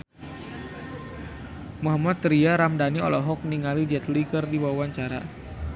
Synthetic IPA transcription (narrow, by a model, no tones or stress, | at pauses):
maɦamat̪ːɾiaɾamdaniɔlɔɦɔk̚niŋalid͡ʒɛt̪likɨrdiwawaɲt͡ʃaɾa̰